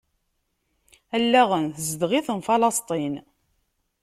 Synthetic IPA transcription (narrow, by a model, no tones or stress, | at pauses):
ælːæʁənθəzd̪ʁiθənfɑlɑst̪ˤin